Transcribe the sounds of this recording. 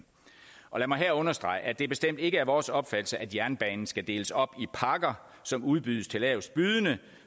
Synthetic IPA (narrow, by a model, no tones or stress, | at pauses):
ʔɒ̽læmɑ̈ɪɦeɐɔ̽nɐsd̥ʁɑ̈ɪʔæd̥e̝ɐb̥e̝sd̥em̰d̥e̝ɡ̥əæɐʋɒːsɒ̽b̥fæd̥l̩səʔæd̥jæɐnb̥ɛ̰ːnn̩sɡ̥æd̥e̝ːləsɒ̽b̥ipʰɑ̈ɡ̥ɐ | sɒ̽muð̞ˠb̥yðˠəst͡sʰe̝lɛʊsb̥yð̞ˠənə